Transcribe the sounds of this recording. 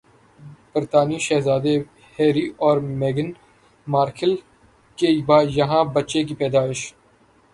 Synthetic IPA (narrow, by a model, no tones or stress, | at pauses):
b̥ɪɾt̪aːniʃɛːɦzaːd̪e | heːɾiːɔːɾmeːɡɪn | maːɾkʰɪl | keibaːjɐɦãːbɐt͡ʃekipɛːd̪aːɪʃ